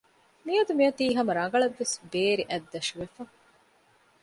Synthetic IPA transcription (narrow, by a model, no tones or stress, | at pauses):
miɐd̪umiɐt̪iːɦɐmɐɾɐŋɡɐɭɐʋːesbeːɾiʔæd̪ːɐʃuʋefɐ